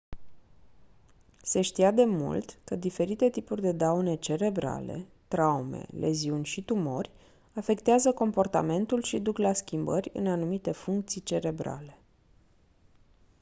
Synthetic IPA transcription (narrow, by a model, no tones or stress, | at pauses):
se̞ʃt̪iad̪e̞mṵlt̪kəd̪ife̞ɾit̪e̞t̪ipurʲd̪e̞d̪aune̞t͡ʃe̞ɾe̞bɾa̰lḛt̪ɾaume̞̰lʔe̞̰ziunʲʃit̪umo̞rʲ | afe̞kt̪eazəko̞mpo̞rt̪a̰me̞nt̪ulʃid̪uklaskʲimbəɾʲɨ̰nanumit̪e̞fuŋk̚t̪sijt͡ʃe̞ɾe̞bɾa̰le̞